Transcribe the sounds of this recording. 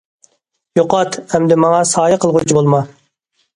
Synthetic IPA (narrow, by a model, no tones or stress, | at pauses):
joqɑt̪ɛmd̪ɪmɑŋɑsɑːjɑqʰəlˠʁʊt͡ʃʰibolˠmɑ